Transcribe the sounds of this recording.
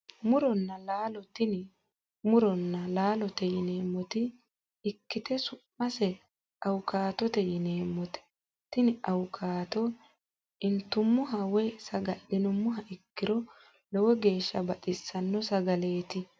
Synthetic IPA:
mʊɾɔnːɐlaːlɔt̪ɪn | mʊɾɔnːɐlaːlɔt̪ɛjɪne̞ːmːɔt̪ɪ | ɪkːɪt̪ɛsʊʔːɐsɛ | ɐwʊkaːt̪ɔt̪ɛjɪneːmːɔt̪ɛ̥ | t̪ɪnɪɐwkʰaːt̪ɔ | ɪnt̪ːʊmːʊɦɐwɛsɐɡɐɗɪnʊmːʊɦɐʔɪkːɪɾɔ | lɔwɔɡe̞ːʃːɐbɐᶑɪsːɐnːɔsɐɡɐle̞ːt̪ɪ

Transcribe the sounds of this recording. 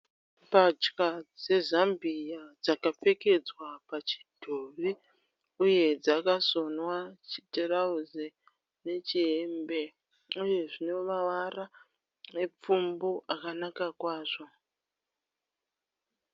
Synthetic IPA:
pat͡ʃkad͡ze̞zambijad͡zakap͡fe̞ke̞d͡zwapat͡ʃi̥dʱoʋi | uje̞d͡zakaso̞nwat͡ʃi̥terauze | ne̞t͡ʃiembe̞ | uje̞ʐine̞maʋara | nep͡fumboʔakanakakwaːʐo̞

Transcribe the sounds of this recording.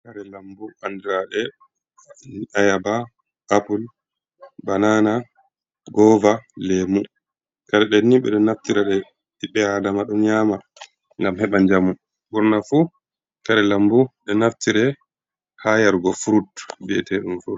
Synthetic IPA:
kaɾɛlambuandɾaɗɛ | ajaba | ʔapul | banana | ɡɔvalemu | kaɾɛɗɛnːiɓɛ̰ɗɔnaftiɾɛɗɛ | ɗiɓːɛadamaɗɔnɲaːma | ŋɡamhɛɓaɲd͡ʒamu | buɾnafu | kaɾɛlambuɗɛnaftiɾɛ | hajaɾɡɔfuɾutbɛ̰tɛɗumfuɾu

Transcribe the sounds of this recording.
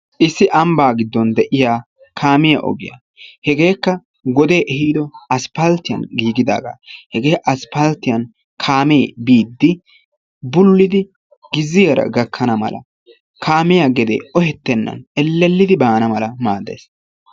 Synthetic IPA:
ʔɪsːɪʔɐmbaːɡɪd̪ːɔnd̪ɛʔɪjaː | kʰaːmɪjɐʔɔ̰ɡɪja̰ː | hɛɡe̞ːkːɐ | ɡɔd̪e̞ːʔɛhiːd̪ɔɐspɐlt̪ːɪjɐ̰nɡiːɡɪd̪a̰ːɡa̰ːhɛɡeːʔɐspɐlt̪ːɪjɐn | kʰaːmeːbiːd̪ːɪ | bʊlːɪd̪ɪ | ɡ̥ɪzːɪjɐɾɐ̰ɡɐkʰːɐnɐmɐ̰lʔɐ̰ | kʰaːmɪjaɡɛd̪ḛːʔɔhɛt̪ːɛnːɐ̰nɛlːɛlːɪd̪ɪbaːnɐmɐlɐmaːd̪ḛːs

